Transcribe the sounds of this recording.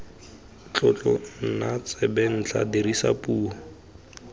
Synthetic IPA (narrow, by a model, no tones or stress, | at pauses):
t͡ɬɔt͡ɬʼɔn̩nat͡sɛbɛn̩t͡ɬʰadirisa̰pʼuːɦɔ